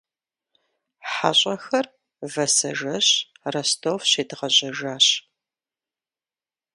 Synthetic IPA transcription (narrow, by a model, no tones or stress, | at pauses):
ħaɕʼɐxɐr | vɐsɐʒɐɕrɐstʰoːfɕeːdɨʁɐʑʼɐʒaːɕ